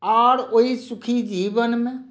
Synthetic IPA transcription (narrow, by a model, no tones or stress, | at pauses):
aːɾoisʊkʰid͡ʒiːbənmẽ